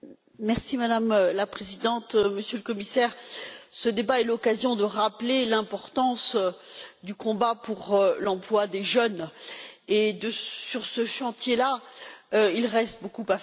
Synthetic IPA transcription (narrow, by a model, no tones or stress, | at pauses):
mɛʁsimad̪amlapχezid̪ɑ̃t̪məsjøləkɔmisɛʁsəd̪ebaɛlɔkazjɔ̃d̪əʁaplelɛ̃pɔʁt̪ɑ̃s | d̪ykɔ̃bapuʁlɑ̃plwad̪eʒœn | ed̪əsyʁsəʃɑ̃t̪jela | ilʁɛst̪̚bokupa